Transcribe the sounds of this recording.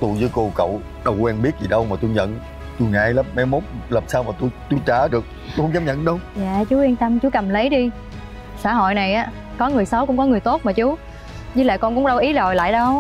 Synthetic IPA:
t̪u˧˩jzɨ˨˦jko˧kə̰˧˨w | ɗə˨˩wkwɛ˧nɓi˦˥ət̚zi˨˩ɗə˧wmaː˨˩t̪u˧jɲə̰˧˨n | t̪u˧jŋa̰ː˧˩jləː˦˥p̚ma˨˦jmo˦˥t̚ləː˨˩p̚saː˧wmaː˨˩t̪u˧jt̪u˧jt͡ɕaː˧˩ɗɨ˨˩ək̚ | t̪u˧hʰə˧˦ŋ͡mzaː˨˦mɲə̰˧˨nɗə˧wɲa̰ː˧˨t͡ɕu˨˦wi˧nt̪ə˧mt͡ɕu˨˦kə˨˩mlə˨˦jɗi˧ | saː˧˩ɦo̰˧˨jna˨˩jʔaː˨˦ | kɔ˨˦ŋɨ˨˩əjsə˨˦wkʊ̰˧˥ŋ͡mkɔ˨˦ŋɨ˨˩əjt̪o˦˥t̚maː˨˩t͡ɕu˨˦ | ɲɨ˧˦la̰ː˧˨kɔ˧nkʊ̰˧˥ŋ͡mɗə˧wʔi˨˦zo˨˩jla̰ː˧˨jɗə˧w

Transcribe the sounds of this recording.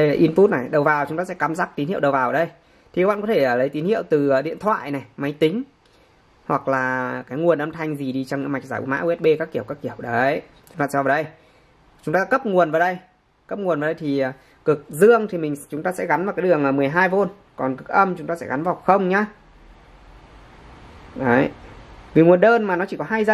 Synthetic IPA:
ɗə˧jlaː˨˩ʔi˧nfu˦˥t̚na˨˩jɗə˨˩wvaː˨˩wt͡ɕʊ˨˧˦ŋ͡mt̪aː˧sɛ̰˧˥kaː˧˩mzaː˦˥k̚t̪i˨˦nhi˧˨wɗə˨˩wvaː˨˩wɗə˧j | t̪ʰi˨˩kːɓa̰˧˨kɔ˨˦t̪ʰe˧˩ʔəː˨˩lə˨˦jt̪i˨˦nhi˧˨əwt̪ɨː˨˩˨ɗḭ˧˨ənt̪ʰwa̰ː˧˨jna˨˩jma˨˦jt̪ï˨˦ŋ̟ | hwa˨˩k̚laː˨˩kaː˨˦jŋu˨˩ənʔə˧mt̪ʰa˧jŋ̟zi˨˩ɗi˧t͡ɕŋ͡mɲɨ̰˧˥ma˨˩jk̚zaː˧˩jʔṵ˧˦ma̰ː˧˥wɛ˦˥t̚ɓe˧ka˦˥kːi˧˩əwkaː˦˥kːi˧˩əwɗə˨˦jt͡ɕʊ˨˦ŋ͡mt̪aː˧ɛ˧vaː˨˦ɗə˧j | t͡ɕʊ˨˦ŋ͡mt̪aː˧ɗaː˧˥kə˦˥p̚ŋu˨˩ənvaː˨˩˦ɗə˧j | kə˦˥p̚ŋu˨˩ənvaː˨˦ɗə˧jt̪ʰi˨˩əː˨˩ | kɨ˨˩k̚zɨ˧əŋt̪ʰi˨˩mï˨˩ŋ̟t͡ɕʊ˨˦ŋ͡mt̪aː˧sɛ̰˧˥ɣa˨˦nvaː˨˩wkaː˨˦jɗɨ˨˩əŋaː˨˩mɨ˨˩əjɦaː˧jvo˧n | kɔ˨˩nkɨ˨˩k̚ʔə˧mt͡ɕʊ˨˦ŋ͡mt̪aː˧sɛ̰˧˥ɣa˨˦nvaː˨˩wxə˧wŋ͡mɲaː˧ | ʔə˨˦jvi˨˩ŋu˨˩ənɗəː˧nmaː˨˩nɔ˨˦t͡ɕi˧˩kɔ˨˦ɦaː˧jzə˧

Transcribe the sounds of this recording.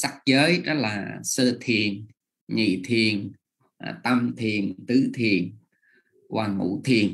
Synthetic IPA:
sa˦˥k̚zəː˨˦jɗɔ˨˦laː˨˩səː˧t̪ʰi˨˩ən | ɲḭ˧˨t̪ʰi˨˩ən˨˩ | t̪a˧mt̪ʰi˨˩ənt̪ɨ˨˦t̪ʰi˨˩ən | kwaː˨˩ŋṵ˧˩t̪ʰi˨˩ən

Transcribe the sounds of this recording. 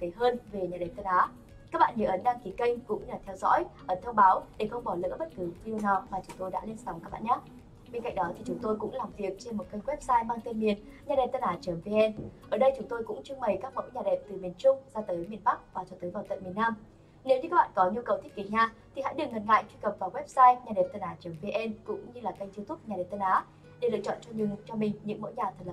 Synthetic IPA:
t̪e˨˦ɦəː˧nve˨˩ɲaː˨˩ɗe˨˩p̚t̪ə˧˩nʔaː˨˦ | kaː˦˥k̚ɓa̰ː˧˨ɲəː˧˩ʔə˨˦nɗaː˧ŋki˨˦kə˧jŋkʊ̰˧˥ŋ͡mlaː˨˩t̪ʰɛ˧wzɔ̰˧˥jʔəː˧˨˦nt̪ʰə˧wɓaː˨˦wɗe˧˩xə˧wŋ͡mɓɔ˧˩lɨ̰˧˥ɓə˦˥t̚kɨ˨˦vi˧ə˧wnaː˨˩wmaː˨˩t͡ɕʊ˨˦ŋ͡mt̪o˧jɗa̰ː˧˥li˧nsa˨˦wŋ͡mkaː˦˥k̚ɓ̰a̰ː˧˨ɲaː˦˥ | ɓe˧nka̰˧˨ŋ̟̚ɗɔ˨˦t̪ʰi˨˩t͡ɕʊ˨˦ŋ͡mt̪o˧jkʊ̰˧˥ŋ͡mlaː˨˩mvi˨˩ək̚t͡ɕe˧nmo˨˩t̚kə˧jwɛ˦˥p̚saː˧jɓaː˧ŋt̪e˧nmi˨˩ən | ɲaː˨˩ɗḛ˨˩t̪ə˧˩ʔaː˨˩t͡ɕəː˨˦mve˧ʔɛ˧nʔəː˧˩ɗə˧jt͡ɕʊ˨˦ŋ͡mt̪o˧jkʊ̰˧˥ŋ͡mt͡ɕɨ˧ŋɓə˨˩jkaː˦˥k̚mo̰˧˥jɲaː˨˩ɗe˨˩p̚t̪ɨ˨˩mi˨˩ənt͡ɕʊ˧ŋ͡mzaː˧t̪əː˨˦jmi˨˩ənɓa˦˥k̚vaː˨˩t͡ɕɔ˧t̪əː˨˦jvaː˨˩wt̪ə̰˧˨mi˨˩ənːaː˧m | ne˨˦wɲɨ˧aː˦˥ɓa̰ː˧˨kɔ˨˦ɲu˧kə˨˩wt̪ʰi˦˥k̚i˨˦ɲaː˧t̪ʰi˨˩ɦa̰˧˥jɗɨ˨˩ŋə˨˩n̚ŋa̰ː˧˨jt͡ɕwi˧kə˨˩p̚vaː˨˩wɛ˦˥p̚saː˧jɲaː˨˩ɗe˨˩t̪ə˧nʔaː˨˩t͡ɕəː˨˦mve˧ʔɛ˧nkʊ̰˧˥ŋ͡mɲɨ˧laː˨˩kə˧ŋt̪i˧wt̪ʰʊ˦˥ɲaː˨˩ɗe˨˩p̚t̪ə˧nʔaː˨˦ | ɗe˨˩lɨ̰˧˨t͡ɕɔ̰˧˨nt͡ɕɔ˧ɲɨ˧˩ŋt͡ɕɔ˧mï˨˩ŋ̟ɲɨ̰˧˥mo̰˧˥jɲaː˨˩t̪ʰə˨˩l̚

